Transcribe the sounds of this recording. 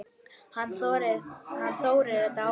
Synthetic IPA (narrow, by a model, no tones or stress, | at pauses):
hanːθoɾɪhanːθoːwɾɪɾat̪a